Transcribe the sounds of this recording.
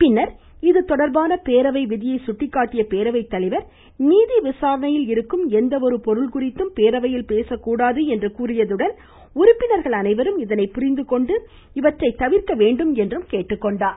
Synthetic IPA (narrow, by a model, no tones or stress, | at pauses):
pɪnːɐɾ | ɪðɯt̪ɔɽɐɾbaːnɐpeːɾɐʋɐɪʋɪðɪjɐɪsʊʈːɪkːaːʈːɪjɐpeːɾɐʋɐɪt̪ːɐlɪʋɐɾ | niːðiʋɪsaːɾɐnɐjɪlɪɾɯkːɯmɛnd̪ɐɔɾɯpɔɾɯɭkʊrɪt̪ːɯmpeːɾɐʋɐjɪlpeːsɐkːuːɽaːðɯɛndrɯkuːrɪjɐðɯɽɐn | ʊɾʊpːɪnɐɾɣɐɭɐnɐɪʋɐɾɯmɪðɐnɐɪpʊɾɪnd̪ɯkɔɳɖɯ | ɪʋɐʈrɐɪt̪ːɐʋɪɾkɐʋeːɳɖɯmɛndrɯmkeːʈːɯkːɔɳɖaː